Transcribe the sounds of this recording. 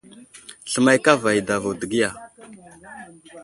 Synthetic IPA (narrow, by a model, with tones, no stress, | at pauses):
ɬə˨ma˦jka˦va˨ji˨da˨va˨də˨ɡi˦ja˨